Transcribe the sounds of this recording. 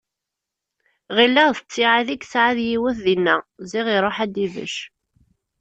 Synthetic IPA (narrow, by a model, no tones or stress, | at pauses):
ʁilːæʁθət͡sːɪʕaðikːsʕaðjiwæθðinːæziʁiɾˤoħæd̪iðə̰ʃ